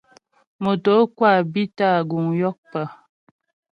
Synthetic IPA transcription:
mo˨to˨˦kwa˦˨bi˦ta˦˨ɡu˨ŋjɔ˦k̚pə˦˨

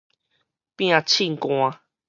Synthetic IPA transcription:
pĩ˧ã˧t͡ʃʰĩ˧ŋ̩˨kõ˧ã˧

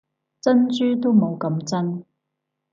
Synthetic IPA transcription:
t͡sɐ˥nt͡ʃyː˥t̪o˥mo˨˧wkɐ˨˧mt͡sɐ˥n

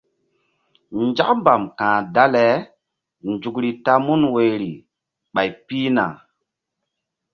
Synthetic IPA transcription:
nd͡ʒa̰˦kmba˨mkãː˨da˦le˨˦ | nd͡ʒu˨kɾi˨ta˦mu˦nwe˨jɾi˨ | ɓa˨jpi˦na̰˨

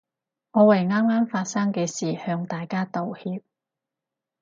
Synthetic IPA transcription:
ŋɔː˨˧wɐ˨˩jŋaː˥mŋaː˥mfaː˧t̚sɐ˥ŋkɛː˧siː˨˩hœː˧ŋt̪aː˨jkaː˥t̪o˨whiː˧p̚

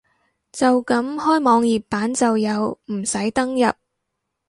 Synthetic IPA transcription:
t͡sɐ˨wkɐ˨˥mhɔː˥jmɔː˨˧ŋjiː˨p̚pːaː˨˥nt͡sɐ˨wjɐ˨˧wm̩˨˩sɐ˨˥jt̪ɐ˥ŋjɐ˨p̚

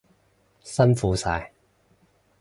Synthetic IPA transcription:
sɐ˥nfuː˨˧sa̰ː˧j

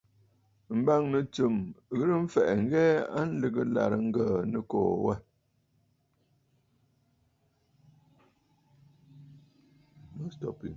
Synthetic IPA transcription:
m̩˦ba˦ŋnə˨t͡sə˨mɣə˦ɾə˦ɱ̩˦fɛ˨ʔŋ˦ɡɛ˦a̰˦n̩˦lɨ˨ɡə˦la̰˨ɾə˨ŋ̩˦ɡəː˨nə˨ko̰ː˨wɛ˦ | no˦stɔ̰˨pḭ˨ŋ

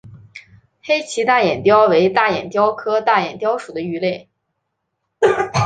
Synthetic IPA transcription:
xe˥ɪt͡ɕʰi˧˥t̪a˥˩jɛ˨˩nt̪jɑ˥ʊwe˧˥ɪt̪a˥˩jɛ˨˩nt̪jɑ˥ʊkʰɤ˥t̪a˥˩jɛ˨˩nt̪jɑ˥ʊʂu˨˩d̪ə˦y˧˥le˥˩ɪ

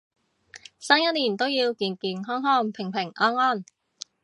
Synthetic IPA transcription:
saː˥ŋjɐ˥t̚liː˨˩nt̪o˥wjiː˧wkiː˨˩nkiː˨nɦɔː˥ŋɦɔː˥˩ŋpʰɪ˨˩ŋpʰɪ˨˩ŋʔɔː˥nɔː˥˩n

